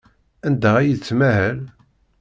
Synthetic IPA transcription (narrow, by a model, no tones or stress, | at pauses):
ænd̪æʁæjət͡sːmæhæl